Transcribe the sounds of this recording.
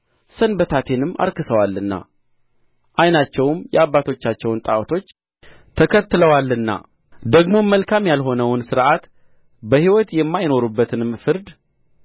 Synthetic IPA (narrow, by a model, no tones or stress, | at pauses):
sənbət̪ʰat̪ʰe̞nɨmːa̰ɾkɨsəwalːɨnːa̰ | ʔajnat͡ʃːɛwmjɛaβːat̪ʰo̞t͡ʃːat͡ʃːɛwnt̪ʼawt̪ʰo̞t͡ʃː | t̪ʰəkʰət̪ːɨləwalːɨnːa̰ | d̪əɡmo̞məlkʰamjalɦo̞nəwʊnsɨɾʔat̪ | bəhiwɔt̪jɛmːajno̞ɾubːət̪ʰɨnɨmfɨɾd̪